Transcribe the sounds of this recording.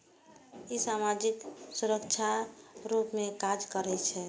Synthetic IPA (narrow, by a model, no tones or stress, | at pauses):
isamad͡ʒiksuɾəkt͡ʃʰaɾupmẽkad͡ʒkəɾɛt͡ʃʰɛ